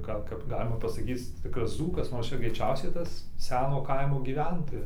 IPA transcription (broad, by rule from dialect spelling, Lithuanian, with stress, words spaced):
ˈɡɐlˠ kɐp ˈɡɑːlʲɪmɐ pɐsɐˈkʲiːt͡s ˈtʲɪkrɐs ˈd͡zuːkɐs ˈnoːr ˈt͡ʃʲɛ ɡrʲɛɪˈt͡ʃʲɛʊsʲɛɪ ˈtɐs ˈsʲæːnoː ˈkɐɪmoː ɡʲiːˈʋʲɛntoːjɛs